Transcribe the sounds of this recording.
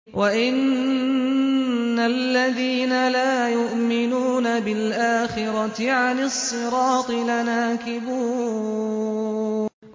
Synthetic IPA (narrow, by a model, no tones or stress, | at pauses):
waʔɪn | alːaðiːnalaːjʊʔmɪnuːnabɪlʔaːxɪɾˤɑɪʕanɪsˤːɨɾɑːt̪ˤɨlanaːkɪbuː